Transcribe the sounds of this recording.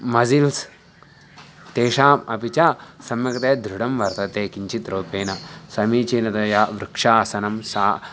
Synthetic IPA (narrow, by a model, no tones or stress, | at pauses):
mɐzils | t̪eːʃaːmɐ̰pit͡ʃaːsɐmjɐkɐt̪eːd̪ʱɾuɽɐmʋɐɾt̪ɐt̪eːkiɲt͡ʃʰit̪ɾoːpeːnɐsɐmiːt͡ʃeːnɐt̪ɐjaːʋɾukʂaːsɐnɐmsaː